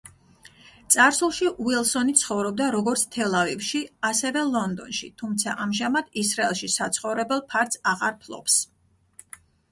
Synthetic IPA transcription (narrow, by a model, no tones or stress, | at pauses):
t̪sʼaɾsulˠʃiʔuilˠsɔnit̪sʰχɔvɾɔb̚d̪aɾɔɡɔɾt̪sʰt̪ʰɛlˠavivʃiasɛvɛlˠɔnd̪ɔ̰nʃḭt̪ʰumt̪sʰaʔamʒamad̪̥isɾaɛlˠʃisat̪sʰχɔvɾɛbɛlˠpʰaɾt̪saʁaɾpʰlˠɔ̰ps